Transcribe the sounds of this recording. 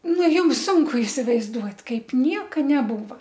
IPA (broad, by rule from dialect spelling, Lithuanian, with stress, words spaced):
ˈnʊ ˈjʊms ˈsʊŋkʊ ɪsʲɪʋɐɪzˈduɔtʲ ˈkɐɪp ˈnʲiɛkɐ nʲɛˈbuːʋɐ